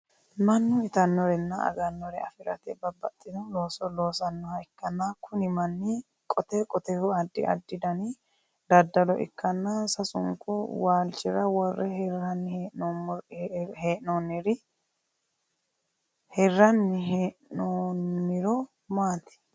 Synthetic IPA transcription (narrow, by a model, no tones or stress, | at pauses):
mɐnːʊɪt̪ɐnːɔɾɛnːɐɐ̰ɡɐnːɔɾɛɐ̰fɪɾɐ̰t̪ɛbɐbːɐt̪ʼːɪd̪ɔnloːsɔlo̞ːsɐnːɔhɐjkːɐnːakʰʊnɪmɐnːɪ | kʼɔt̪ɛkʼɔt̪ɛhʊɐd̪ːɪ̰ɐ̰d̪ːɪd̪ɐnɪ | d̪ɐd̪ːɐlɔʔɪ̰kːɐnːasɐsʊ̰ŋkʼʊwaːlt͡ʃɪɾɐwɔrːɛhrɐnːɪn | heːʔnoːnːɪɾɪ | hɛrːɐnːɪɦeʔnoːnːɪɾɔ | maːt̪ɛ̥